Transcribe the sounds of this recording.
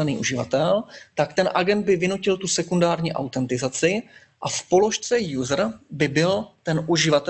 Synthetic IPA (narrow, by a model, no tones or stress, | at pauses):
ɛnḭːʔuʒɪva̰t̪ɛlt̪akt̪ɛnʔaɡɛnd̪̚bɪvɪnucɪlt̪usɛkundaːɾɲiːʔa̰wt̪ɛnt̪ɪzat͡sɪ | ʔafpo̞lo̞ʃt͡sɛjuːzrbɪbɪlt̪ɛnʔuʒɪvat̪ɛ